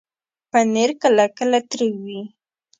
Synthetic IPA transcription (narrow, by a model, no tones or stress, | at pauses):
paneɾkəlakəlat̪ɾəwi